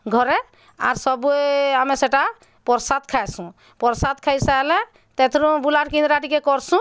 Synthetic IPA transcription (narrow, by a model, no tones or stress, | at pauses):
ɡʱɔɾɛ | a̰ɾsɔbueamɛseʈa | pɔɾsat̪̚kʰajsũ | pɔɾsat̪̚kʰajsalɛ̃ | t̪ɛt̪ʰɾũbulaʈkĩnd̪ɾaʈikɛkɔɾsũ